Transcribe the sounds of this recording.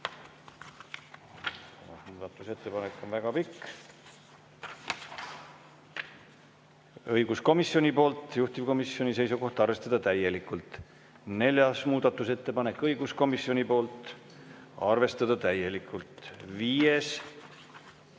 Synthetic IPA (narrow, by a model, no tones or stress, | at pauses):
sɑ̰mɑ̰smuːd̪̥ɑt̪ːˑuse̞t̪ːe̞pɑnekːˑo̞nvæɡ̥ɑpikː | ɤjɡusko̞misjo̞nʲipo̞ːlt̪ˑjuht̪ivko̞misːjo̞nʲise̞jsuko̞ht̪ɑrve̞st̪ɑd̪̥ɑt̪æje̞likːˑult̪ | ne̞lʲjɑsmuːd̪̥ɑt̪ːˑuse̞t̪ːe̞pɑne̞kːˑɤjɡ̥usko̞misjo̞nʲipo̞ːlt̪ˑ | ɑrve̞st̪ɑd̪̥ɑt̪æje̞likʰːˑult̪viːes